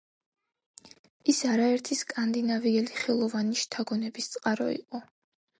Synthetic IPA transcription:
isaɾaɛɾt̪ʰiskʼand̪inaviɛliχɛlˠɔvaniʃt̪ʰaɡɔnɛbist̪sʼqʼaɾɔ̰ḭqʼɔ

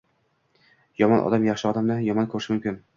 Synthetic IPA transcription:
jɒmɒnʔɒ̰d̪amjɑχʃɪɒd̪amd̪ajɒmɒnkʰɵɾɪʃɪmʊmkʲɪn

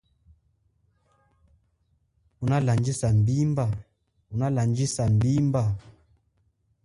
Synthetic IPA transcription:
unaland͡ʒisam̩bimba | unaland͡ʒisam̩bimba

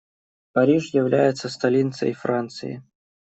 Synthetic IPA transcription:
pɐɾʲiʂjɪvlʲæjɪt̪sːəst̪ɐlʲint̪səɪfɾant̪sɨ̰ɪ̰

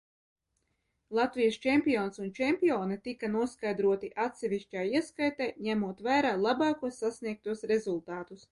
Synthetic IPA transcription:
lˠat̪vijɐst͡ʃɛmpʲioːnsunt͡ʃɛmʲpʲioːnɛt̪ikanuɔskajd̪ɾuɔt̪iʔat̪sɛvʲiʃcʲaːjiɛskajt̪ɛjɲæmuɔt̪væːɾaːlˠabɑːkuɔsːasniɛk̚t̪uɔsɾezulˠt̪aːt̪us

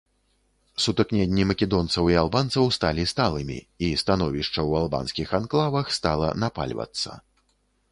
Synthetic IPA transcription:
sut̪ɨknʲɛnʲːimɐkʲɛd̪ɔnt̪sɐwialˠbant̪sɐwst̪alʲist̪alˠɨmʲḭ | ist̪anɔvʲiʂt͡ʂɐwalˠba̰nsʲkʲixanklˠavɐxst̪alˠɐ̰napa̰lʲvɐ̰t̪sːɐ̰

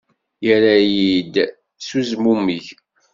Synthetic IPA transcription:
jəɾæjid̪ | suzmumːiç

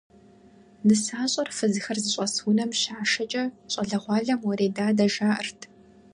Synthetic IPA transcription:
nɨsaːɕʼɐrfɨzɨxɐrzɨɕʷʼɐsʊnɐmʃaːʃɐt͡ʃʼɐɕʼɐɮɐʁʷɑːɮɐmwɔɾeːdaːdɐʒaːʔərtʰ

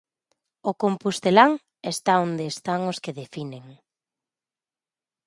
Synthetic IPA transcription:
ʊkompust̪elaŋ | est̪aond̪eːst̪aŋʊskeðefineŋ

